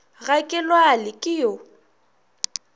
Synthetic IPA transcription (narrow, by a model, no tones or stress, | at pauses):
ɣakʼɪlwalɪkʼɪjo